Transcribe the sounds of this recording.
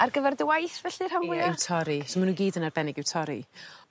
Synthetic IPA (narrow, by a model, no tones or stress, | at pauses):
ʔarɡəvɛrdəwajθvɛɬɨr̥hamwɪɪwtʰɔɾisomanuɡiːdənarbɛnɪɡɪwtʰɔɾḭ